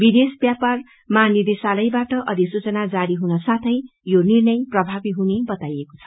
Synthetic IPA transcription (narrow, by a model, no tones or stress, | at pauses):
bid̪esbjapar | manid̪esalʌjbaʈʌʔʌd̪ʱisut͡sʌnad͡zaɽiɦunʌsãt̪ʰʌjjonirnʌjprʌbʱabiɦunebʌt̪ajeko̥t͡sʰʌ̥